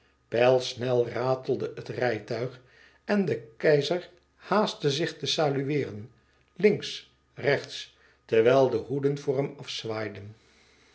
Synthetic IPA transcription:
pɛlˠsnɛlˠraːtəl̩ˠdəʔətrɛjtœɥχ | ɛndəkɛjzəɹ | haːstəzɪχtəsaːlyʋɪːrən | lɪŋks | rɛχts | tɛɹʋɛːlˠdəɦudənvʊːɹɦɛmɑfsʋaːjdən

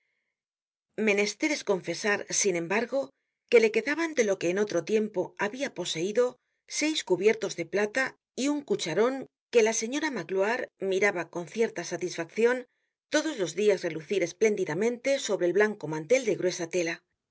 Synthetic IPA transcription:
me̞ne̞st̪e̞ɾe̞sko̞ɱfe̞saɾsinẽ̞mbaɾɣo̞ | ke̞le̞ke̞ðaβand̪e̞lo̞ke̞ːno̞t̪ɾo̞t̪je̞mpo̞aβiapo̞se̞iðo̞ | se̞jskuβje̞ɾt̪o̞zðe̞plat̪a | iuŋkut͡ʃaɾo̞ŋ | ke̞lase̞ɲo̞ɾamaklwaɾmiɾaβako̞nθje̞ɾt̪asat̪isfakθjo̞n | t̪o̞ðo̞zlozðiasreluθiɾe̞sple̞nd̪iðamẽ̞nt̪e̞so̞βɾeːlβlaŋko̞mãnt̪e̞ld̪e̞ɣɾwe̞sat̪e̞la

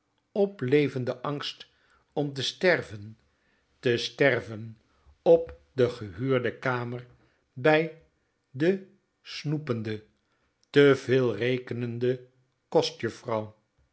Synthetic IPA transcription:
ɔplejvəndəʔɑŋst | ɔmt̬əstɛrvən | təstɛrvən | ɔp̚dəχəɦyːɹdəkaːmər | bɛj | də | snupəndə | təvɪːlˠrejkənəndə | kɔstjəfrɑw

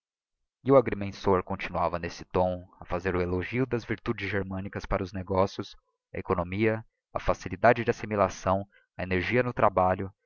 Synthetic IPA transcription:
ɪʊaɡɾemẽsoɾkõt͡ʃinuavɐnesɪ̥t̪õɐfazeɾʊeloʒiʊd̪ɐzviɾt̪ud͡ʒɪzʒeɾmɐ̃nikɐspaɾɐʊzneɡɔsjʊs | ɐ̰ekonõmiɐ | ɐfasilid̪ad͡ʒɪd͡ʒɪasimilasɐ̃w̃ | ɐeneɾʒiɐnʊt̪ɾabaʎʊ

